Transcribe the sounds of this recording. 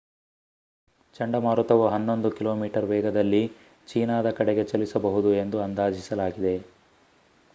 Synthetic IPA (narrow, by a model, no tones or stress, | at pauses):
t͡ʃɐɳɖɐmaːɾut̪ɐʋuɦɐnːo̞nd̪ukilo̞ːmiːʈɐɾʋɛːɡɐd̪ɐlːi | t͡ʃiːnaːd̪ɐkɐɽeɡe̞t͡ʃɐlisɐbɐɦud̪ue̞nd̪uɐnd̪aːd͡ʒisɐlaːɡid̪e̞